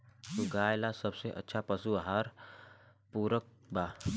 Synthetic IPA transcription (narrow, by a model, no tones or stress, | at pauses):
suɡaːjlasəbseʔə̰tːʃʰapəsuaɦaːɾ | puːɾək̚ | baː